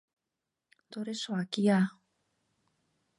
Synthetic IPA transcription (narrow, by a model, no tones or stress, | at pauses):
t̪oɾesoakia